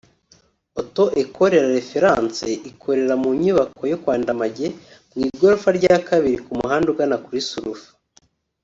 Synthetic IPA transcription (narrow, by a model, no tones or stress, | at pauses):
oto̞ʔekʰo̞ɾe̞ɾaɾe̞fe̞ɾaːnseʔikʰo̞ɾe̞ɾamuɲuβako̞jokwaːndamaɟe̞ | ɡwiːɡoɾufaɾɟakaβiɾikumuɦaːnduɡanakuɾisuɾufḁ